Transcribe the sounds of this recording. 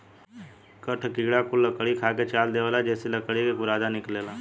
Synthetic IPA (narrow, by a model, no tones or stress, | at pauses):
kəʈʰkiːɽaːkʊlːəkəɽiːkʰaːkeːt͡ʃaːld̪eːʋəlaːd͡ʒeːsiːləkəɽiːʋiːkʊɾaːd̪aːnɪkleːlaː